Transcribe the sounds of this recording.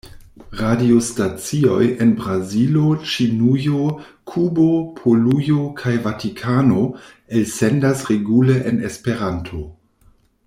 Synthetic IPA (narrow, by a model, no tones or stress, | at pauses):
ʁadio̞stat͡sio̞̰jenbɾazilo̞t͡ʃinujo | kʰubopʰolujo̞kʰajvatikʰano̞ | elsendasʁeɡuleʔenespe̞ɾantʰo̞